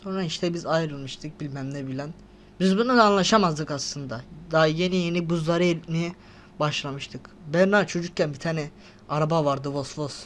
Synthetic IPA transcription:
so̞nɾaiʃt̪ʰɛbizajɾɯlˠmɯʃt̪ʰɯk̚bilʲmæmlʲɛbilʲæn | bizbunud̪aːnlˠaʃamazd̪ɯkaslˠɯnd̪ad̪aɦje̞nijenibuzlˠaɾɯelʲt̪mejɛ | baʃlˠamɯʃt̪ʰɯkbæɾnaːt͡ʃʰo̞d͡ʒuk̚cʰænbit̪ʰanɛ | aɾabavaɾd̪ɯvosvos

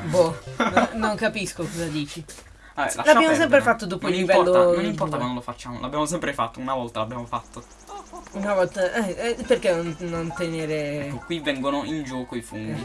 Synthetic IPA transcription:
bɔnnoŋkapiskokɔzad̪iːt͡ʃi | aɛ̰lalabjamos̬ɛmp̬ɾefat̪ːod̪oːpoilnːlːivɛɔlːoõnimmpɔɾakwand̪olofat͡ʃːaːmo̰lʔa̰bjamos̬ɛmpɾefat̪ːounavɔlt̪alabjaːmofat̪ːo | unavɔlt̪aʔɛɛperkenonnont̪eneːɾekːokːwivɛŋɡonoind͡ʒɔːkoifond̪i

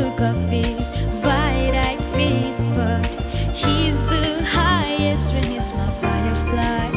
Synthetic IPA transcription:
ʊkəfesvaɪɾaɪtfeɪsb̥ʌthizðəhaɪɨstɹɛ̃nɨsmaɪfaɪə˞fla

